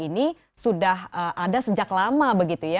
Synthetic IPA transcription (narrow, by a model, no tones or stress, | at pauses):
ini | sudaɦəʔadasəd͡ʒaklamabəɡit̪uja